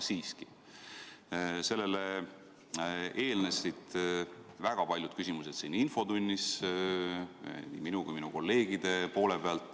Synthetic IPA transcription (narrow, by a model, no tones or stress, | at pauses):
siːski̥ | se̞lːe̞le | e̞ːlnesit̪ | væɡ̥ɑpɑlʲjud̪̥kysʲimuset̪siːninfo̞d̪unʲːis | nḭminukujminuko̞lːe̞ːɡ̥id̪̥e̞po̞ːle̞peɑlt̪ˑ